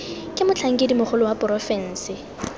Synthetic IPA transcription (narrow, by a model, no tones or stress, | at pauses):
kʼɪmʊt͡ɬʰaŋ̩kʼedimʊχʰʊlʊwapʼʊɾɔfɛn̩ːsɪ